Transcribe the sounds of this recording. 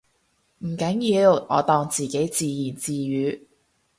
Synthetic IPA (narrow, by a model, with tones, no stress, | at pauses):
m̩˨˩kɐ˨˥njiː˧wŋɔ̰ː˨˧t̪ɔː˧ŋt͡siː˨ke˨˥jt͡siː˨˧jiː˨˩nt͡siː˨˧jyː˨˧˥